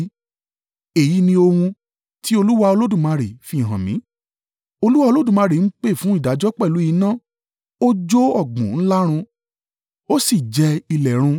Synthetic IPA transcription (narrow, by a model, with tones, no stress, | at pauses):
e˨ji˨˦nĩ˧o˧hũ˧ | ti˦o˧lu˦wa˧o˧lo˦dũ˦˨mã˧ɾe˨fĩ˧˦˨ɦã˨mĩ˨˦ | o˧lu˦wa˧o˧lo˦dũ˦˨mã˧ɾe˨n̩˦k͡pe˦˨fũ˨˦i˦˨da˨˦d͡ʒɔ˦k͡pɛ˦˨lu˨˦i˨˦nã˦ | o˦d͡ʒo˦ɔ˦˨ɡ͡bũ˨˦n̩˦la˦ɾ̃ũ˧ | o˦si˦˨d͡ʒɛ˧i˧lɛ˨ɾ̃ũ˧